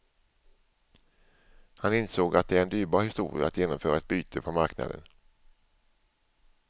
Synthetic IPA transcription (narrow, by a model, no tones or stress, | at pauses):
hanɪnsoːɡat̪̚d̪ɛæɾɛnd̪yːɾbɑːɾhɪst̪ṵːɾɪ̰a̰at̪jeːnɔmfœːɾaɛt̪̚byːt̪ʰəpʰɔmaɾkna̰d̪ə̰n